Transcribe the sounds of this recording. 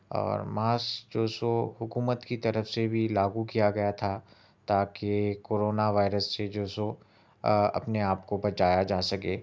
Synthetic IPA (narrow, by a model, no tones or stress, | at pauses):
ɔ̰ːɾmaːsd͡ʒoːsoɦʊkuːmət̪kit̪ɐɾəfsebʱilaːɡukijaɡɐjat̪ʰa | t̪aːkekoːɾoːnaʋaːɪɾəsːed͡ʒoːso | ɐ̰pneaːpkobɐt͡ʃaːjad͡ʒaːsɐkeː